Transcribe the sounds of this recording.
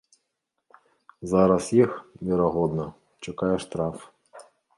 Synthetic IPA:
zaɾɐsjixvʲɛɾaɣɔd̪nɐ | t͡ʂakajɛʂt̪ɾaf

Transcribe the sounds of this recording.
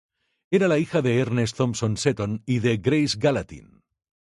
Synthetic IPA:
e̞ɾalaixaðe̞eɾnest̪o̞mso̞nse̞t̪oniðe̞ɡɾejzɡalat̪ḭn

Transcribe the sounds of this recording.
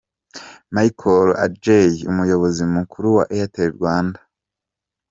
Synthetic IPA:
maikʰola̰d͡ʒejiumujo̞βo̞zimukʰuɾuwa̰ʔejateɾiɾɡwaːndḁ

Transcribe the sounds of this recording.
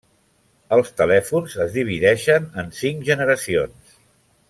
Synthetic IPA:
əlˠst̪əlɛfunzəzðiβ̞iðɛʃənənsiŋʒənəɾəsions

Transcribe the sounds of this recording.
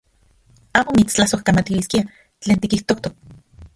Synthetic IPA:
aːmomit͡st͡ɬahsohkamat̪iliskia | t͡ɬeːnt̪ikiht̪okt̪ok̚

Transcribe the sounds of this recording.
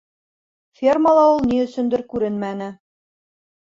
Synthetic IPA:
fʲerməlˠɑulˠniɵ̆sɵ̆nd̪ɘɾkʉɾɘnmænɘ

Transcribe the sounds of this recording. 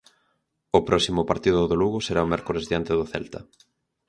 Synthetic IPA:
ʊpɾɔsimʊpaɾt̪iðʊðoluɣʊseɾaomɛɾkoɾezðiant̪eðʊθɛ̰lt̪ɐ

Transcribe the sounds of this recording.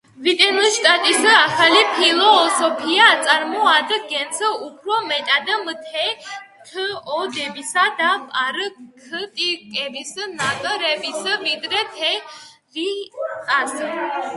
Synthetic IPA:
vit̪ʼɛnuliʃt̪ʼat̪ʼisaχalipʰilɔsɔpʰiat̪sʼaɾmɔad̪ɡɛnt̪sʰəupʰɾɔmɛt̪ʼad̪mt̪ʰɛ | t̪ʰəɔd̪ɛbisad̪apʼaɾkʰət̪ʼikʼɛvisnat̪ʼɾɛvisvid̪ɾɛt̪ʰɛ | ɾit̪ʼas

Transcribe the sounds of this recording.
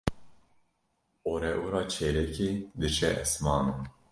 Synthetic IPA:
oːɾɛʔuɾɑːt͡ʃʰeleked̪ɨʃɛʔɛsmɑːnu

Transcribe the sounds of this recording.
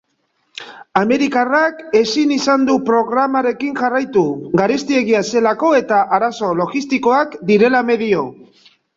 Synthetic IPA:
ame̞ɾikarake̞sinisand̪upɾo̞ɣɾamaɾe̞kiŋʝarajt̪uɡaɾe̞st̪ie̞ɣiase̞lako̞e̞t̪aʔaɾaso̞lo̞ɣist̪iko̞akd̪iɾe̞lame̞ðio̞

